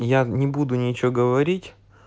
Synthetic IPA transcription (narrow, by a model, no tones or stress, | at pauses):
janʲɪbud̪ʊnʲɪt͡ɕoɡəvɐɾʲitʲ